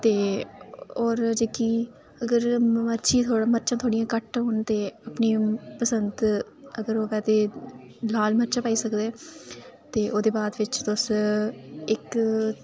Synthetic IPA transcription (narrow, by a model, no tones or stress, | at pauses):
t̪eː | oːɾd͡ʒeːkiː | əɡəɾməɾt͡ʃĩːt̪ʰoːɽaːməɾt͡ʃãːt̪ʰoːɽijãːkəʈɦoːnt̪eːaːpniːpəsənd̪ | əɡəɾoːʋɛːt̪eː | laːlməɾt͡ʃãːpaːiːsəkd̪eː | t̪eːʔoːd̪eːbaːd̪ʋɪt͡ʃt̪ʊs | ɪk